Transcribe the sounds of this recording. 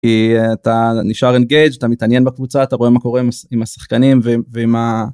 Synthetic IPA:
kiat̪aniʃaʁenɡe̞jd͡ʒat̪amit̪anje̞nbakvut͡saːt̪aʁo̞e̞mako̞ʁe̞imaimasḁχkanimveveima

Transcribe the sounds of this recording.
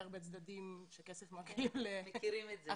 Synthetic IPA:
aʁbet͡sd̪ad̪imʃekesefmakilemekiɾimeza

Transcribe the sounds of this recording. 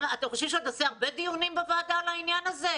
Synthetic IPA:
at̪amχoʃevʃeat̪aseaʁbed̪ijunimbavaːd̪alainjanaze

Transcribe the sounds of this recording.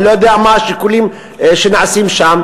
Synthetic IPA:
lojod̪eamaʃekulim | ʃenaʕasimʃam

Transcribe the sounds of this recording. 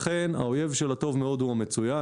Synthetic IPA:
χena̰o̞je̞vʃe̞lato̞vmeo̞d̪uame̞t͡suja

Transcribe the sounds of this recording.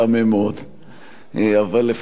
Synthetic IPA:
amemeod̪ | avalːef

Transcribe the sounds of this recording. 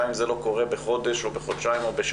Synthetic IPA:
imzelo̞ko̞ʁebeχo̞d̪eʃobeχod̪ʃaimobeʃ

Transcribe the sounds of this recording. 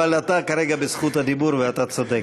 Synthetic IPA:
alat̪akaɾeɡabesχut̪had̪ibuɾveat̪at͡sod̪ek

